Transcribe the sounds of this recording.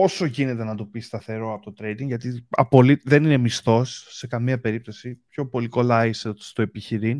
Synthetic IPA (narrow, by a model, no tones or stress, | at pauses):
o̞so̞ʝine̞t̪e̞nɐt̪upist̪ɐθe̞ɾo̞ɐpot̪ot̪ɾe̞jd̪iŋɡʝɐt̪iɐ̰po̞liðe̞nine̞mist̪o̞sːe̞kɐmiɐpe̞ɾip̚t̪o̞sipço̞po̞liko̞lɐisest̪o̞e̞piçiɾin